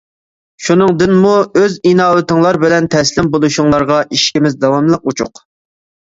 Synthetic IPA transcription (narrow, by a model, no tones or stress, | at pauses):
ʃunɨŋd̪ɪnmuøzinɑːwɪt̪ɪŋlˠɑɾbɪlɛnt̪ʰɛslɪmbolˠuʃuŋlˠɑɾʁɑʔiʃkʲimɪzd̪ɑwɑmlˠəq̚ut͡ʃʰʊ̰q